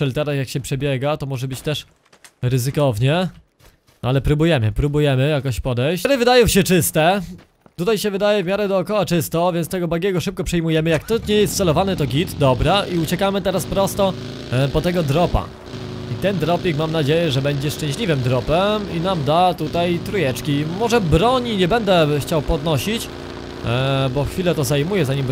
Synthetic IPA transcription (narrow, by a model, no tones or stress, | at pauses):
ɛlt̪ɛɾasjakɕɛpʂɛbʲjɛɡat̪ɔmɔʐɛbɘt͡ɕt̪ɛʂ | ɾɘzɘkɔvɲɛ | ʔalɛpɾubujɛmɘpɾubujɛmɘjakɔɕpɔd̪ɛjɾɘvɘd̪ajɔ̃w̃ɕɛt͡ʂɘst̪ɛ | t̪ut̪ajɕɛvɘd̪ajɛvmʲjaɾɛd̪ɔːkɔwat͡ʂɘst̪ɔvʲjɛnt̪t̪ɛɡɔbaɡʲɛɡɔʂɘp̚kɔpʂɛjmujɛmɘjakt̪ɔɲɛjɛst̪sɛlɔvanɘt̪ɔɡʲit̪d̪ɔbɾaʔiut͡ɕɛkamɘt̪ɛɾaspɾɔst̪ɔ | pɔt̪ɛɡɔd̪ɾɔpa̰ | it̪ɛnd̪ɾɔpʲikmamnad͡ʑejɛʐɛbɛɲd͡ʑɛʂt͡ʂɛ̃ɕlʲivɘmd̪ɾɔpɛminamd̪at̪ut̪ajt̪ɾujɛt͡ʂkʲimɔʐɛbɾɔɲiɲɛbɛnd̪ɛxt͡ɕawpɔd̪nɔɕit͡ɕ | bɔxfʲilɛt̪ɔzajmujɛzaɲim